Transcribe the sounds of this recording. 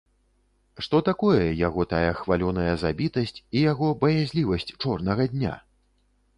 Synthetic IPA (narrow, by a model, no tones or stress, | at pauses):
ʂt̪ɔt̪akɔjɛjaɣɔt̪ajɐxvalʲɔnɐjɐzabʲit̪ɐsʲt͡sʲijaɣɔbɐjazʲlʲivɐsʲt͡sʲt͡ʂɔrnɐɣɐd̪ʲnʲa̰